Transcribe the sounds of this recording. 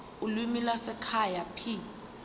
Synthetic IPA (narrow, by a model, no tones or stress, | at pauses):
ulwimilasɛkʰajapʰi